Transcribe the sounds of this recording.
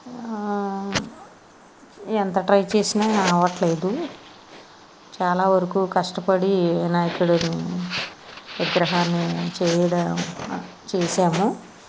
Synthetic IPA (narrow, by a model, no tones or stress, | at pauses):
ent̪ɐʈɾɐjt͡ʃeːsinaːnɐʋɐʈle̞ːd̪u | t͡ʃaːlaːʋɐɾɐkuːkɐʂʈɐpɐɽinaːjɐkuɽɐni | ʋiɡɾɐɦaːnːit͡ʃɛːjɐɽɐ | t͡ʃeːsaːmu